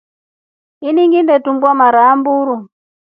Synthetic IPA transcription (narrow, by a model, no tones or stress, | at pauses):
iniŋɡindɛtumbwamaɾaːmbuɾu